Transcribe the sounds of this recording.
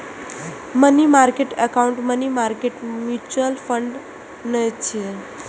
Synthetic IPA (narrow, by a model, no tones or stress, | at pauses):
mənimaɾkeʈəkauɳʈmənimaɾkeʈmjut͡ɕuəlfəɳɖ | nəjt͡ɕʰe